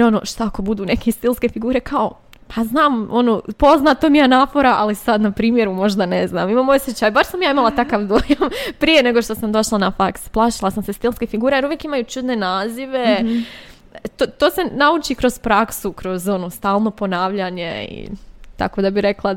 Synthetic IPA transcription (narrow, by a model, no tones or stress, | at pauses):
jeɾo̞noːʃt̪aako̞bud̪uːne̞kʰest̪ilˠskefiɡuːɾe̞kʰao̞ | pʰaznaːmo̞noːpo̞znat̪omianafoɾaʔalisad̪napɾiːmje̞ɾumo̞ʒd̪anezna̰ːmimaːmosjet͡ɕaːjbaɾsamjaːimalˠat̪akaʋd̪ojampɾije̞ne̞ɡoʃt̪o̞samd̪o̞ʃlˠanafaksplˠaːʃilˠasamse̞st̪ilˠskefiɡuːɾejeɾuʋjekimajut͡ʃud̪ne̞naːziʋe̞ | t̪oːt̪oːse̞naut͡ʃikɾo̞z̥pɾaksukɾo̞zo̞noːst̪aːlˠno̞po̞naːʋʎaɲe̞ḭt̪a̰ko̞d̪abiɾe̞klˠa